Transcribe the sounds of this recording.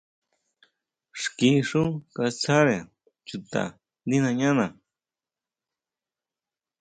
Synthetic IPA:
ʂki˧ʂu˦ka˧t͡sa˦ɾe˨ | t͡ʃu˨t̪a̰˨ | d̪i˦nã˧ɲã˦nã˨

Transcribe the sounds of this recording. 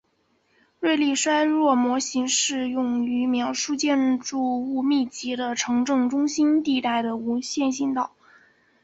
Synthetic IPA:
ɻwe˥˧ɪli˥˩ʂwa˥ɪɻwɔ˥˩mwɔ˧˥ɕi˧˥ŋʂɻ̩˥˧jʊ˥˩ŋy˧˥mjɑ˧˥ʊʂu˥t͡ɕjɛ˥˧nʈ͡ʂu˥˧u˥˧mi˥˩t͡ɕi˧˥d̪ə˧ʈ͡ʂʰɤ˧˥ŋʈ͡ʂɤ˥˧ŋʈ͡ʂʊ˥ŋɕi˥nt̪i˥˧t̪a˥˩ɪd̪ə˩u˧˥ɕjɛ˥˧nɕi˥˧nt̪ɑ˥˩˦ʊ

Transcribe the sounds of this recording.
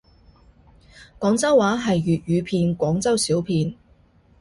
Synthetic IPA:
kɔː˨˥ŋt͡sɐ˥wːaː˨˥ɦɐ˨jɥyː˨t̚jyː˨˧pʰiː˧nkʷɔː˨˥ŋt͡sɐ˥wsiː˨˥wpʰiː˧n

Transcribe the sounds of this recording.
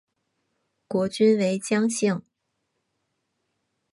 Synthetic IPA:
kwɔ˧˥t͡ɕy˥nwe˧˥ɪt͡ɕjɑ˥ŋɕi˥˩ŋ

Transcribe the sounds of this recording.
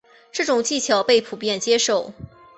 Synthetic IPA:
ʈ͡ʂɤ˥˩ʈ͡ʂʊ˨˩ŋt͡ɕi˥˩t͡ɕʰjɑ˨˩ʊpe˥˩ɪpʰu˨˩pjɛ˥˩nt͡ɕjɛ˥ʂo˥˩ʊ

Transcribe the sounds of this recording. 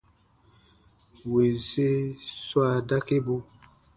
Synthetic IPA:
we˨ze˦swa˦˨da˦ke˦bu˦

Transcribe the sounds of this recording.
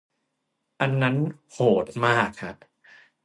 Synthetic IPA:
ʔa˧nːa˦˥nhoː˨˩t̪̚maː˥˩kʰːa˦˥ʔ

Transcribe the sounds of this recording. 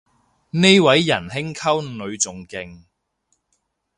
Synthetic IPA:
ne˥jwɐ˨˥jːɐ˨˩nɦɪ˥ŋkʰɐ˥wnɵ˨˧ɥt͡sʊ˨˩ŋkɪ˧ŋ

